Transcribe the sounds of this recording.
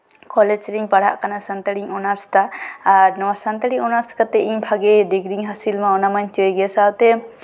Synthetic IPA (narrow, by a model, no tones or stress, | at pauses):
kɔlɛd͡ʒɾiɲpaɽ̤a̰ʔkanasant̪əɽiɲɔnaɾst̪aːɾnɔwasant̪əɽiŋɔnaɾskat̪ɛiɲbʱaɡɛd̪iɡɾiŋɦasilmaɔnamaɲt͡ʃɔjɡɛsawt̪ɛ